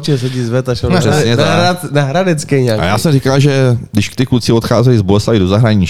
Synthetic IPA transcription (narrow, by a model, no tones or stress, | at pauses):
t͡ʃɛsɛɟiːzvɛt̪aʃɛsɲɛzaɾanaɦɾadɛt͡skɛjɲakʔa̰jaːsɛmrɪkalʒɛdɪʃkt̪ɪkut͡sɪot̪xaːzɛjzbolɛsajdo̞zaɦɾaɲɪt͡ʃ